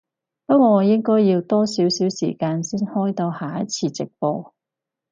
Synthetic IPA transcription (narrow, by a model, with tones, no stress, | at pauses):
pɐ˥ɔː˨˧jɪ˥ŋkɔː˥jːiː˧wt̪ɔː˥siː˨˥wsiː˨˥wsḭː˨˩kaː˧nsiː˥nhɔː˥jt̪o˧haː˨˧jɐ˦˥t͡sʰiː˧t͡sɪ˨k̚po˧